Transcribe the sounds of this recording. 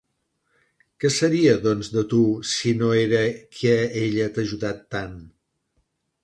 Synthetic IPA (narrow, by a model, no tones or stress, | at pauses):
kɛsəɾiəðɔnzðət̪usinoeɾəkʰɛeʎət̪əʒuðat̪ːan